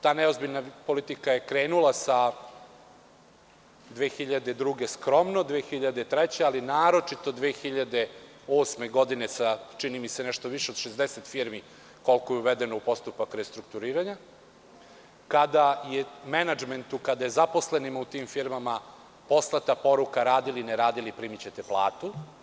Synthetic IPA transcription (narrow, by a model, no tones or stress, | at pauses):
t̪aːneo̞zbiʎnapo̞lit̪ikaje̞kɾeːnulˠasa | d̪ʋeːxiʎad̪e̞d̪ɾuɡe̞skɾo̞mno̞d̪ʋeːxiʎad̪et̪ɾet͡ɕealinaːɾo̞t͡ʂit̪o̞d̪ʋeːxiʎad̪e | o̞ːsme̞ɡo̞d̪ine̞sat͡ʃinimisenɛʃt̪oʋiʃeo̞d̪ʃezd̪eset̪fiɾmi | ko̞lˠkojeuʋed̪enoupo̞st̪upakɾest̪ɾukt̪uɾiːɾaɲa | kad̪ajemenad͡ʒment̪ukad̪ajezapo̞sle̞nimut̪iːmfiɾmama | po̞slˠat̪apo̞ɾukaɾaːd̪ilineɾaːd̪ilipɾimit͡ɕet̪eplˠa̰ːt̪u